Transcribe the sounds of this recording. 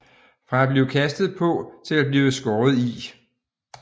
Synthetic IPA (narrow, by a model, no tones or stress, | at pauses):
fʁɑ̈æb̥liːʊkʰæsd̥ð̞̩ˠpʰɒ̽t͡sʰe̝læb̥liːʊəsɡ̥ɒːð̞̩ˠi